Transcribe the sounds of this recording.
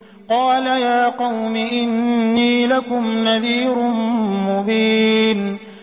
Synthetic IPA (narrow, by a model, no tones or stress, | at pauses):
qɑːlajaːqɑwmɪʔɪnːiːlakʊmnaðiːɾʊmmʊbiːn